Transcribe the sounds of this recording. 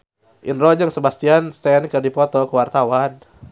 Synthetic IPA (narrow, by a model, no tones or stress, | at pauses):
ʔinrɔd͡ʒəŋsəbast̪ianst̪ɛnkɨrdipɔt̪ɔkəwart̪awan